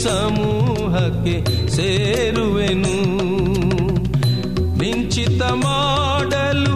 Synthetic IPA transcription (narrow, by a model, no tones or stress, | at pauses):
sɐ | muː | ɦɐkːe | seː | ɾuʋenu | ʋiɲt͡ʃit̪ɐma | ɖɐlu